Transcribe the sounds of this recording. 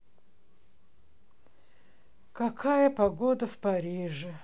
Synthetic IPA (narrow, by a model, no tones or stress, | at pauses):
kɐkʰajəpɐɡod̪əfpɐɾʲiʐɨ